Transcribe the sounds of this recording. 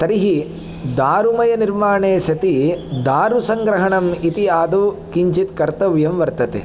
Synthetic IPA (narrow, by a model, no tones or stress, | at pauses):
t̪ɐɾiɦi | d̪aːɾumɐjɐniɾmaːɳeːsɐt̪id̪aːɾusɐŋɡɾɐɦɐɳɐmit̪iaːd̪u | kiɲt͡ʃit̪kɐɾt̪ɐʋjɐmʋɐɾt̪ɐt̪ḛ